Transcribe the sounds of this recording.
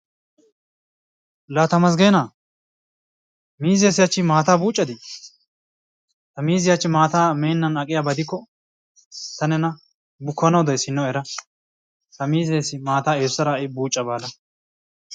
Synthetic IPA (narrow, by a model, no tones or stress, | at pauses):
laːt̪ɐmɐs̬ɡe̞ːnaː | miːzɪjɐsɪjat͡ʃːɪmaːt̪aːbuːt͡ʃʼːɐd̪ɪ | t̪ɐmiːzɪjɐt͡ʃːɪmaːt̪aːmeːnːɐnɐkʼɪjabɐd̪ɪkːɔ | t̪ɐnɛnɐ | bʊkʰːɐnɐwd̪ɐjsɪnːɔɛɾɐ | t̪ɐmiːzeːsɪmaːt̪aːeːʊsɐɾaːɪbuːt͡ʃʼːɐbaːlɐ